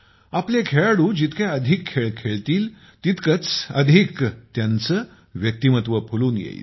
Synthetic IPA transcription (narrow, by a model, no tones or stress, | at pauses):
aplekʰeɭaɽũːd͡ʑit̪keəd̪ʱikʰːeɭkʰeɭt̪iːl | t̪it̪kət͡sə̰d̪ʱikt̪jant͡sə | ʋjək̚t̪imət̪ʋəpʰuluːnjḛjḭ